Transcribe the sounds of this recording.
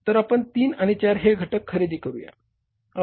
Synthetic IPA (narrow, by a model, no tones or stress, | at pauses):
t̪əɾapəɳt̪iːnaɽ̃it͡ɕaɾɦeɡʱəʈəkʰːəɾed̪iːkəɾuja̰ | a